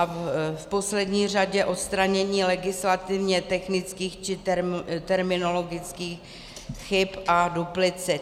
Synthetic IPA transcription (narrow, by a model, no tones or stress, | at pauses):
fpo̞slɛdɲiːr̝aɟɛʔo̞t̪st̪ɾaɲɛɲiːlɛɡɪslat̪ɪvɲɛt̪ɛxnɪt͡skiːxt͡ʃɪt̪ɛɾt̪ɛɾmɪno̞lo̞ɡɪt͡skiːx | xɪpʔaduplɪt͡sɪ